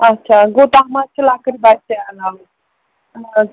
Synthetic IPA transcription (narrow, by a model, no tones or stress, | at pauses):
ətːʃʰaɡot̪aɦmat͡ʃʰəlakəɾibat͡ʃaala